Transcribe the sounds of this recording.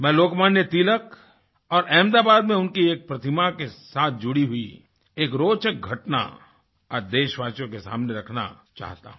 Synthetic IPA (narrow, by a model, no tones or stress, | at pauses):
mɛ̃ːloːkmaːnjət̪iːlək | ɔːɾʔɛːmd̪aːbaːd̪mẽʊnkieːk̚pɾɐt̪ʰɪmakesaːt̪̚ʰd͡ʒʊɽiɦʊi | eːkɾoːt͡ʃək̚ɡʱɐʈna̰ | ɔɾd̪eːʃʋaːt͡ʃjõkesa̰ːmneɾɐkʰna̰ | t͡ʃa̰ːɦt̪a̰ɦũ